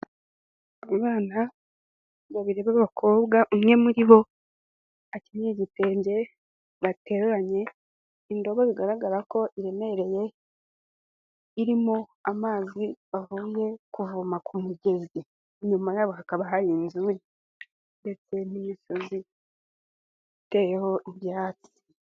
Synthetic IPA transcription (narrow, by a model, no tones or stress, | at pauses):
aβaːna | βaβiɾe̞βaβaβakʰo̞ːbɡaʔumŋe̞muɾiβo̞ | acinɲiɟite̞ːɲɟe̞ | βate̞ːɾuɾaɲe̞ | indo̞βaβiɡaɾaɡaɾako̞ʔiɾe̞me̞eɾe̞je̞ | iɾimoamaːziβavuːje̞kuvumakʰumuɡe̞zɡe | ɲumajaːβo̞hakaβaɦajiːnzuɾi | nde̞se̞n̥imiʃo̞zi | ite̞ːjeho̞ʔiβjaːt͡si̥